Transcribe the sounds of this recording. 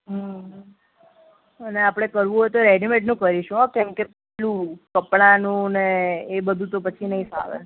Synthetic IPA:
ɦəɦ | əneapɽ̃ekəɾʋũɦojt̪oɾeɖimeʈnũkəɾiʃũɦokɛ̃mkepɛɦlũkəpɽ̃anũneːbəd̪ʱũt̪opət͡ʃʰinəɦĩsa̰ʋḛ

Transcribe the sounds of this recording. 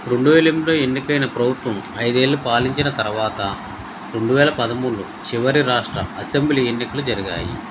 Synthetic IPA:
ɾeɳɖuʋeːlimlo̞ːe̞nːikɐjnɐpɾɐbʱut̪ʋɐm | ɐjd̪e̞ːlːupaːliɲt͡ʃinɐt̪ɐɾuʋaːt̪ɐ | ɾe̞ɳɖuʋɛːlɐpɐd̪ɐmuːlːu | t͡ʃiʋɐɾiɾaːʂʈɾɐ̰ɐsembliːe̞nːikɐlud͡ʒɐɾiɡa̰ːjḭ

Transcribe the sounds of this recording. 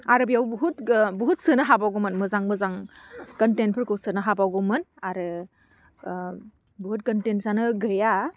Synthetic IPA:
aɾɯbijawbuɦutbuɦut̚sɯnɯɦabawɡɔmɯnmɯzaŋmɯzaŋkɐntent̚pʰɯɾkɯwsɯnɯɦabawɡɯmɯnaɾɯ | buɦut̚kɐntensanɯɡɯja

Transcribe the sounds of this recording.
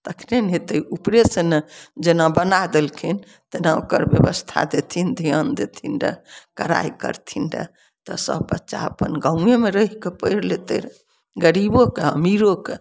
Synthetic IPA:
t̪əkʰnenɦet̪eupɾesened͡ʒenabənad̪elkʰin | t̪enao̰kəɾbjebəst̪ʰa̰d̪et̪ʰind̪ʱijənd̪et̪ʰinɖə̰kəɾa̰jkə̰ɾt̪ʰinɖə̰ | t̪ɔsə̰bbətːʃa̰ə̰pənɡaũemeɾəɦikepəjɾlet̪ḛɾ | ɡəɾibokeəmiɾoke

